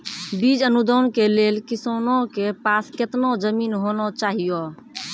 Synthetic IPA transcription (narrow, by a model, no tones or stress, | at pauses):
bid͡ʒənud̪ənkelelkisonõkepasket̪nod͡ʒəminɦonɔt͡ʃaɦijo